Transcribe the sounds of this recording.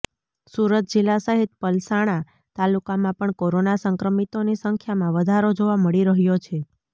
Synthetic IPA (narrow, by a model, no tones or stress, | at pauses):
suɾət̪̚d͡ʒilːasəɦit̪̚pəlsaɽ̃a | t̪alukamãpəɳkoɾonasəŋkɾəmit̪onisəŋkʰjamãʋəd̪ʱaɾod͡ʒoʋaməɭiɾəɦjot͡ʃʰe